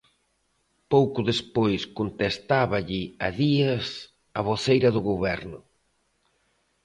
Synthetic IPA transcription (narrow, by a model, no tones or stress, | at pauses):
powkʊðespojskont̪est̪aβɐʎɪɐðiɐs | ɐβ̞oθejɾɐðʊɣoβɛɾnʊ